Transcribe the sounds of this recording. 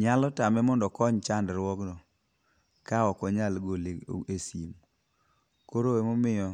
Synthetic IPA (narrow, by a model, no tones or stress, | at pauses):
ɲalɔtamɛmɔndɔkɔɲt͡ʃandɾwɔɡnɔ | kaɔkɔɲalɡoleesim | koɾoemomɪjɔ